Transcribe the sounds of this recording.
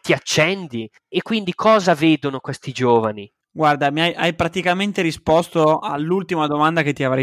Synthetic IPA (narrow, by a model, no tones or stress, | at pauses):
t̪iat͡ʃːɛnd̪i | ekːwind̪ikʰɔːzaveːd̪onokwest̪id͡ʒoːvani | ɡward̪amiajʔajpɾat̪ikament̪eɾispɔst̪oalːult̪imad̪omand̪aket̪ːiavɾa